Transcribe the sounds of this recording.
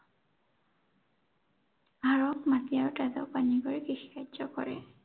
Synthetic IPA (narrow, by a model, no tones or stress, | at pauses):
aɹɔkmatiaɹtadɔ̰paniɡɔɹikixikazɔkɔ̰ɹɛ̰